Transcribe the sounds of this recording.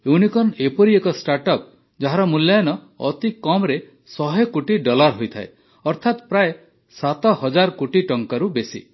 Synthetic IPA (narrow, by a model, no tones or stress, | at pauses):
ewnikɔnepɔɾiekɔsʈaɾʈɔp̚ | d͡ʒaɦaɾɔmulːjajɔnɔ | ɔ̰t̪ikɔmɾe | sɔɦekuʈiɖɔlaɾɦojt̪ʰaḛ | ɔɾt̪ʰat̪pɾaje | sat̪ɔɦɔd͡ʒaɾkoʈiʈɔŋkaɾubesḭ